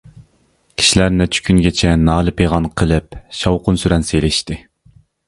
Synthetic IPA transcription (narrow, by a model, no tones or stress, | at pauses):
kʲʰi̥ʃilæɾnɪt͡ʃʰy̥kʲʰynɡʲet͡ʃʰɛnɑːlˠɨpʰeʁɑnqʰəlˠɨp̚ʃɑwqʊnsyɾɛnselɪʃt̪ɪ